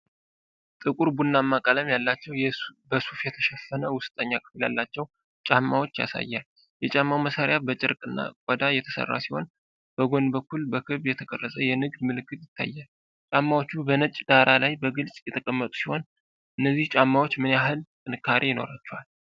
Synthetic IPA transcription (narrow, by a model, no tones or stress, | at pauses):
t̪ʼɨkʼuɾbunːamːakʼaləmjalːat͡ʃːɛwjbəsufjɛt̪ʰə̥ʃɛfːənəwʊst̪ʼəɲːakʰɨ̥flja̰lːat͡ʃːɛw | t͡ʃʼamːawo̞t͡ʃːja̰sa̰jːal | jɛt͡ʃʼamːawməsaɾɪjabət͡ʃʼɪ̰ɾkʼɨnːa̰kʷʼɔd̪ajɛt̪ʰə̥sə̰rːa̰siho̞̰n | b̥əɡo̞nbəkʰːulbəkʰɨβjɛt̪ʰəkʼərːəsʼəjɛnɨɡd̪mɨlɨkːɨt̪jɪt̪ʰːa̰jːal | t͡ʃʼamːawot͡ʃːubənət͡ʃʼːd̪aɾʔalajbəɡɨlsʼjɛt̪ʰəkʼəmːət̪ʼu̥siho̞n | ʔɨnːəzːiht͡ʃʼamːawot͡ʃːmɨnjaɦɨlt̪ʼɨnɨkʰːaɾʔijɪno̞̰ɾat͡ʃːɛwal